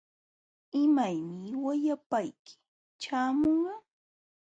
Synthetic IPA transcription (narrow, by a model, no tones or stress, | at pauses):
ɪmajmɪwajapajkɪ̥ | t͡ʃaːmoɴɢɑ